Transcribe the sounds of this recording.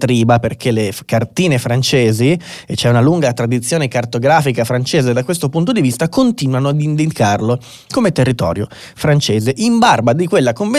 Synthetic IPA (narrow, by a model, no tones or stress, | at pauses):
t̪ɾiːbaperkʰelekart̪iːnefɾant͡ʃeːzi | et͡ʃːɛunaluŋɡat̪ɾad̪it̪sːjoːnekart̪oɡɾaːfikafɾant͡ʃeːzed̪ːakwest̪opunt̪od̪ivist̪akont̪iːnwanoad̪ind̪ikarlo | komet̪erːit̪ɔ̰ːɾjo̰ | fɾant͡ʃeːzeʔimbarbad̪ikwelːakoɱve